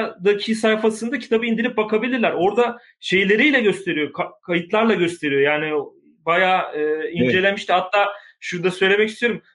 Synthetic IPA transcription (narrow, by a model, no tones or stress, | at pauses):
d̪acʰisajfasɯnd̪acʰi̥t̪ʰabɯind̪ilʲip̚bakʰabilʲiɾlʲæɾo̞ɾd̪a | ʃe̞jlʲe̞ɾijlʲɛɟø̞st̪ʰe̞ɾijo̞kkʰajɯt̪lˠaɾlˠaɟø̞st̪ʰe̞ɾijo̞jaːni | bajaːɯːind͡ʒe̞lʲemiʃt̪ihat̪ʰːaː | ʃuɾd̪asø̞jlʲe̞mɛcist̪ijo̞ɾum